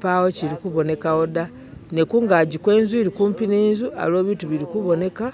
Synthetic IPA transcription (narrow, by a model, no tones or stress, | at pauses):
pawo̞ciɾikuβo̞ne̞kao̞da | ne̞kuːŋɡaɟikwe̞ːnzwiɾikuːmpineːnzuʔa̰lo̞ːβiːtuβiɾikuβo̞ne̞ka